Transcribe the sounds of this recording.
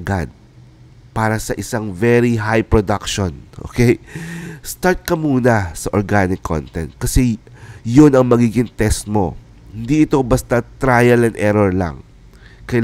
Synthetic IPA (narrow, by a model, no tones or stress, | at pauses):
ɡad̪̚ | paːɾɐsɐʔɪsaŋvɛɾiɦajpɹod̪akʃonʔo̰ːkɛjst̪aɹt̪̚kɐmuːnɐsɐʔoɹɡanɪkʰːo̰nt̪ɛ̰nt̪̚kɐsɛjonɐŋmɐɡiːɡɪŋt̪ɛst̪̚mo̞ | hɪnd̪iɪt̪o̞bɐst̪at̪ɾaːjɐlɐŋʔɛɾoɹlɐ̰ŋ | kɐj